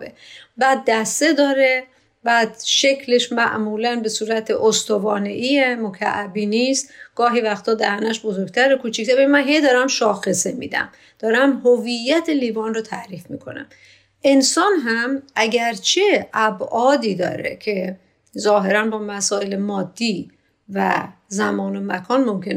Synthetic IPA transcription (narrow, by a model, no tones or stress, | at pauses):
bḛbæːd̪̚ːæst̪e̞d̪ɒːɾe̞ | bæːd̪ʃecʰleʃmæ̰ʔmuːlænbe̞suːɾæt̪ʰeʔost̪ovɒːne̞ʔiemokʰæ̰ʔæbiːniːst̪ɡ̥ɒːɦiːvæxt̪ʰɒːd̪æhænæʃbozoɾɡ̚t̪ʰæɾokʰuːt͡ʃʰikt̪æɾbemænɦejd̪ɒːɾæmʃɒːxe̞semḭːd̪æ̰m | d̪̥ɒːɾæmhovijːæt̪ʰeliːvɒːnrot̪ʰæʔɾiːfmḭːkʰo̞̰næ̰m | ʔe̞nsɒːnɦæmʔæɟæɾt͡ʃʰeʔæbʔɒːd̪iːd̪ɒ̰ːɾḛcʰe̞ | zɒːɦe̞ɾænbɒːmæsɒːelemɒːd̪ːiː | væ̰zæmɒːno̞mækʰɒːnmomcʰen